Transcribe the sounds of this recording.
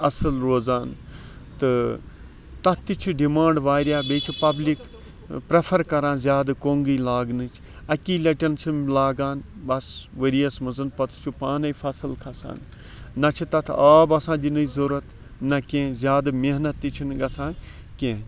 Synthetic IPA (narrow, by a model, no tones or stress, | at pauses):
ɐsɨlɾoːzaːn | t̪ɨ | t̪ɐt̪ʰt̪ːit͡ʃʰuɖimãːɳɖʋaːɾjaːbeːt͡ʃʰupɐblik | pɾɐpʰɐɾkɐɾãːnzjaːd̪ɨkoːŋɡiːlaːɡnɨt͡ʃʰ | ɐkiːlɐʈʲɐnsʰɨmlaːɡaːnbɐsʋəɾijɐsmɨzɨnpɐt̪ʰt͡ʃʰupaːnɐjfɐsɨlkʰɐsa̰ːnː | ɐt͡ʃʰit̪ɐt̪ʰaːbɐsãːd͡ʒinɨzuɾɐt̪ | nɐkẽːzʲjaːd̪ɨmeɦnɐt̪ːit͡ʃʰinɡɐt͡sʰãː | kẽ